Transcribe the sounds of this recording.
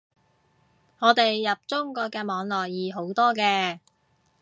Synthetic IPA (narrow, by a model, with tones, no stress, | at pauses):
ŋɔː˨˧t̪e˨jːɐ˨p̚t͡sʊ˥ŋkɔː˧kɛː˧mɔː˨˧ŋlɔː˨˩jjiː˨˧ɦo˨˥wt̪ɔː˥kɛː˧